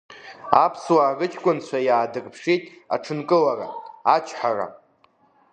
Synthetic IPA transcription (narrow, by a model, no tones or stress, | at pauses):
apʰswaːrɨt͡ʃʰʼkʷʼʊnt͡ɕʷʰajaːdɨrʼpʰʂitʼa̰ʈ͡ʂʰɨnkʼɨlara̰at͡ʃʰħara̰